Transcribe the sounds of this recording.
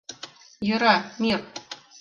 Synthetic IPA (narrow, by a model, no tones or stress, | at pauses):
jɤ̆ɾɑmir